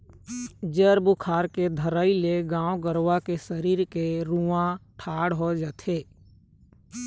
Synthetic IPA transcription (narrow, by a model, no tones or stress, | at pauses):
d͡ʒəɾbʊkʰaːɾked̪ʱəɾəileɡãːwɡəɾwakesəɾiːɾkeɾuãʈʰaːɽɦod͡ʒat̪ʰeː